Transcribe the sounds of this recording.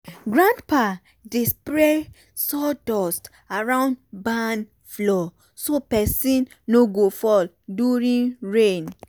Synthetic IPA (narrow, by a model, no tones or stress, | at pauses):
ɡɹãndpa | dispɹe | sɔdɔst | aɹãʊ̃ndban | flɔ | sopɛsĩnːoɡofɔl | duɹĩnɹẽn